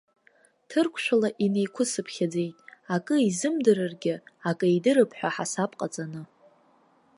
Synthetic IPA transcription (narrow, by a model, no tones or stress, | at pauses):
tʰɨrkʷʰʃʷᶣalaʔine̞jkʷʰʊsɨpʰχʲad͡ze̞jtʼakʼɨizɨmdɨɾɨrɡʲɪakʼɨidɨɾɨpʰħʷᶣaħasapʼqʼat͡sʼanɨ